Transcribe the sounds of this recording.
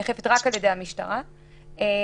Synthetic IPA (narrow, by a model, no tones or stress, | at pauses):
eχefetʁakalje̞dejamiʃta̰ʁa | e